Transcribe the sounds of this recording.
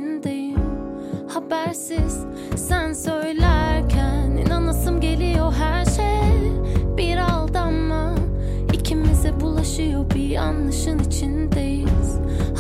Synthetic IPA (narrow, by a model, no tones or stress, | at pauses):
nd̪eji | habæɾsiz̥ | sænsø̞jlʲæɾcʰænḭnanasɯmɟe̞lʲijoɦæɾʃej | biɾalˠd̪amːa | icʰimizɛbulˠaʃɯjobiɾa̰nlˠaʃɯnit͡ʃʰind̪ejiz̥ | h